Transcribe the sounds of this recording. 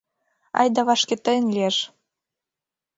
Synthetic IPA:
ɑ̰jd̪ɑβɑʃket̪ə̆nʲlʲieʃ

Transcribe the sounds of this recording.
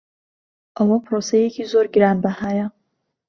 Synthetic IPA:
ʔɐwapʰɾosejekʰizoːɾɡiɾaːnbahaja

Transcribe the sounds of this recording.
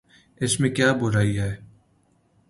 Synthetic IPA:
ɪsmẽkjaːbʊɾaːiɦɛː

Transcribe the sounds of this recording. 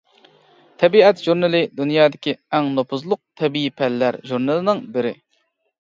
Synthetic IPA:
t̪ʰɛbiɛt̪ʒuɾnɨlˠɪd̪unjɑːd̪ɪkʲiɛŋnopʰʊzlˠʊq̚t̪ʰɛbiipʰɛlːæɾʒuɾnɨlˠɨnɪŋbɪɾɪ

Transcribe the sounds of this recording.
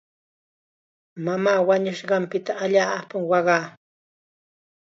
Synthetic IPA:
mamaːwaɲʊʃɢɑmpɪt̪aːʎaːpaŋwɑɢɑː

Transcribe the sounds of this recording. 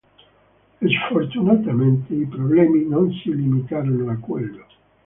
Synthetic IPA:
esfort̪unat̪ament̪eipɾoblɛːminonsilimit̪aːɾonoakwḛlːo

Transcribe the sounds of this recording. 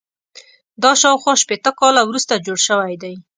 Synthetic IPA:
d̪ɑʃɑwxwɑʃpet̪əkɑlawɾust̪ad͡ʒoɽʃəwajd̪aj

